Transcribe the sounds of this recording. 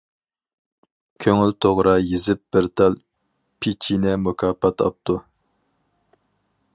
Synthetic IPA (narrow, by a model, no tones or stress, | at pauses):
kʲʰøŋylt̪ʰoʁɾɑjizɪp̚b̥ɪɾt̪ʰɑlˠ | pʰit͡ʃʰinɛmukʰɑːpɑt̪ʰɑ̰p̚t̪ʰu